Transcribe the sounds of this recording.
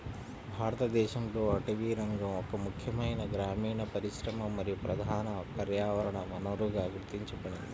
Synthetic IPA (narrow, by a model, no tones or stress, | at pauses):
bʱaːɾɐt̪ɐd̪ɛːʃɐmɾoːɐʈiʋiːɾɐŋɡɐmɔkːɐmukʰjɐmɐjnɐɡɾaːmiːɳɐpɐɾiʃɾɐmɐmɐɾijupɾɐd̪ʱaːnɐkɐɾjaːʋɐɾɐɳɐmɐnoːɾuɡaɡɾt̪iɲt͡ʃupɐɳi